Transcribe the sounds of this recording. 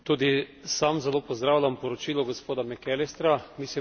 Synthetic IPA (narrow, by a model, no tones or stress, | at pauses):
t̪uːd̪isamzɛloːpɔzd̪ɾawlʲampɔɾɔt͡ʃiːlɔɡospoːd̪amɛkɛlest̪ɾamiːsli